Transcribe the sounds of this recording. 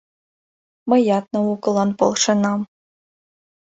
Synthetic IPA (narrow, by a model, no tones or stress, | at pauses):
mɤ̆jɑt̪̚nɤ̆ukɤ̆lˠɑnpɤ̰lˠʂɤ̆nɑm